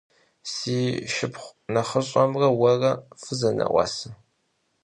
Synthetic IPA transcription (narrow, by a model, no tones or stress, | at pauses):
siːʃɪpχʷnɐχəɕʼɔmrɐwɐrɐfɨzɐnɐ̰ʔʷɑ̰ːsɨ